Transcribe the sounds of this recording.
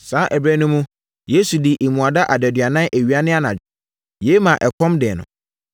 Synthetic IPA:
sãː˨˦ʔæ˨bɾæ˦nʊ̃˦mũ˦ | je˦su˨di˨ʔe˨mũ˨a˨da˦ʔa˨dɛ˨dɥa˨nã˦nʔæ˨ɥi˨˦a˦nɪ̃˦a˦nã˨ | je˦mã˨ʔɛ˨kʰɔ̃˦mdɪ˨nʊ̰̃˨

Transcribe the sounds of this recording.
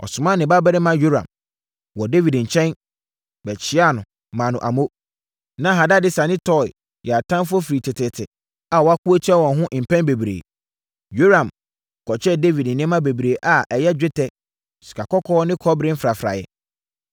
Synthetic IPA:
ɔ̰˨sʊ˨mã˦nɪ̃˨ba˦bɛ˦ɾɪ˦mã˦jo˦ɾã̰˨m | wɔ˨de˦vi˨dɲ̩˨t͡ɕʰɛ̃˦n | bɛ˨t͡ɕʰɪ˦a˦nʊ̃˨ | mã˨nʊ̃˨ʔa˨mo˦ | nã˦ɦa˨da˦dɪ˦sa˨nɪ̃˦tʰɔ̰˦˨ | jɛ˨a˨tʰã˦nfʊ˦ɔ˦fi˨ɾi˨tʰɪ˨tʰɪ˨tʰɪ˨ | a˨wɔ˨a˦kʰu˦o˦t͡ɕʰɛ˦wɔ̃˨nɦʊ̃˦ʔm̩˨pʰɛ̃˦nbe˨bɾḛː˨ | jo˦ɾã˨m˨ | kʰɔ˨t͡ɕʰɛ˦de˦vi˨dn̩˨nɪ̃˦mã˦be˨bɾeː˨ʔa˨ʔɛ˨jɛ˦d͡ʑᶣɪ˦tʰɛ˦ | si̥˨kʰa˨kɔ˦kʰɔː˦nɪ̃˦kʰɔ˦bɾɪ̃˦m̩˦fɾa˨fɾa̰˨jɛ̰˨

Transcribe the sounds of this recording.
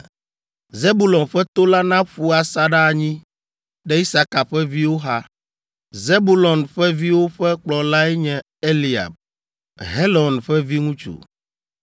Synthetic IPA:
ze˦bu˨lɔ̃˨nɸɛ˦t̪o˦la˦nã˦ɸu˦a˨sa˦ɖa˦˨ɲĩ˦ | ɖɛ˦i˦sa˦ka˨ɸɛ˦vi˦wo˦ɦa˦ | ze˦bu˦lɔ˨nɸɛ˦vi˦wo˦ɸɛ˦k͡plɔ˨la˦ɛ˦ɲɛ̃˨ | e˦li˨a̰˨b | ɦe˦lɔ˨nɸɛ˦vi˦ŋũ˦t͡ʃṵ˨

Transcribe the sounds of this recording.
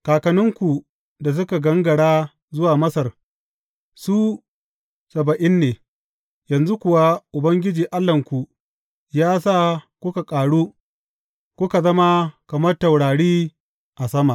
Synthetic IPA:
kaː˨kɐ˨nʊ˦ŋkʷu˨ | da˨s̬ʊ˦ka˨ɡɐ˦ŋɡɐ˨ɽaː˦ | zʊ˦waː˨mɐ˦sɐ˨r | su˦ | sɐ˨bɐ˨ʔɪ˦nːeː˨ | jɐ˨nzu˦kʷʊ˨wa˦ʔʊ˨bɐ˦ŋɡʲɪ˦d͡ʒiː˨ʔa˦lːɐ˨ŋkʷu˨ | jaː˦saː˦kʷʊ˦ka˨kʼaː˨ɽuː˦ | kʷʊ˦ka˨zɐ˦ma˦kɐ˨mɐ˦rtɐ˨wɽaː˨ɽiː˦ | ʔa˨sɐ˦ma˨

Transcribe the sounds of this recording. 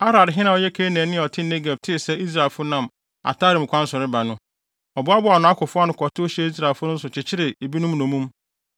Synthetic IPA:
a˦ɾa˨dɦɪ˦nã˨ɔ˦jɛ˦kʰeː˦nɛ̃ː˨˦nɪ̃˦˨ɔ˨tʰɪ˦ne˦ɡɛ˨b̚tʰɪ˦˨sɛ˦i˦s̬ɾa˨e˨lfʊ˦nã˨m | a̰˨ta˦ɾɪ̃˨m˨kʰʷã˦n̩˦sʊ˨ɾɪ˦ba˨nʊ̃˦ | ɔ˨bʊ˦a˦bʊ˦a˨nʊ̃˨a˦kʰʊ˨fʊ˦a˦nʊ̃˨kʰɔ˨tʰʊ˦o˦ɕɛ˦i˦s̬ɾa˨fʊ˦nʊ̃˦n̩˦sʊ˨t͡ɕʰɪ˨t͡ɕʰɪ˦ɾɪ˨e˨bi˦nʊ̃˦mnõ˨mũ˦m

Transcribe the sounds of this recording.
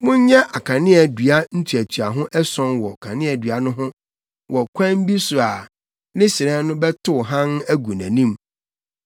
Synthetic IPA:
mʊ̃˦ɲ˦ɲɛ˦ʔa˨kʰã˨nɪ̃˦ɛ˨dɥa˦n̩˦tʰu˨æ˨tʰɥa˨ɦʊ̃˦ʔɛ˦sɔ̃˦nwɔ˨kʰã˨nɪ̃˦ɛ˨dɥa˨nʊ̃˦ɦʊ̃˦ | wʔɔ˨kʷʰã˦m˦bi˦sʊ˨a˨ | nɪ̃˦sɪ˨ɾɛ̃˦nʊ̃˦bɛ˦tʰʊ˦˨ɦã˦næ˦ɡu˨næ̰̃˨nĩ˦m

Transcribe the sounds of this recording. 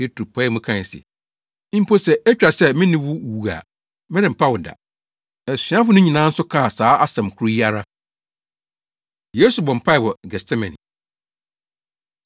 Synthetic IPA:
e˦tʰu˨pʰa˦ɛ˦mũ˦kʰã˦˨sɪ̰˨˦ | m̩˦pʰo˦sɛ˨æ˦t͡ɕᶣa˨sɛ˦mɪ̃˦nɪ̃˦wʊ˦wu˨a̰˨ | mɪ̃˦ɾɪ̃˨m̩˨pʰa˦wʊ˨da̰˨ | ɛ˨sĩ˨˦ã˦fʊ˦nʊ̃˦ɲĩ˨nã˦n̩˦sʊ˦kʰa˦˨saː˨˦ʔa˦sɛ̃˨mkʰu˨ɾi˦i˦a˨ɾa˦ | je˦su˨bɔ̃˨m̩˨pʰa˦ɪ˨wɔ˨ɡɛ˨stʰɛ˦mɛ̃˨nḭ̃˨

